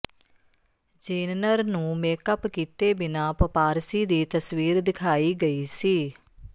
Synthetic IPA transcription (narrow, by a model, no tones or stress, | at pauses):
d͡ʒeːnnəɾnũːmeːkəpkiːt̪eːbɪnãːpəpaːɾsiːd̪iːt̪əswiːɾd̪ɪkʰaːiːɡəiːsiː